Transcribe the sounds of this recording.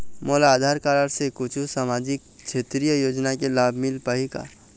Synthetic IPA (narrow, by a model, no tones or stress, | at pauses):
mɔːlaaːd̪ʱaːɾkaːɾəɽsekʊt͡ʃʰusaːmaːd͡ʒɪk̚ | t͡ʃʰeːt̪ɾijəjoːd͡ʒnakelaːbʱmɪlpaɦika̰